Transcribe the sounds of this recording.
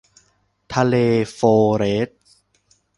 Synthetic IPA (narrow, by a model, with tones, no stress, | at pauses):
t̪ʰa˧leː˧foː˧ɾe˦˥t̪̚